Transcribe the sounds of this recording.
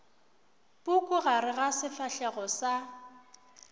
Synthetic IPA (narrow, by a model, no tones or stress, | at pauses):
bʊkʼʊɣaɾɪɣasɪfaɬɛɣɔsa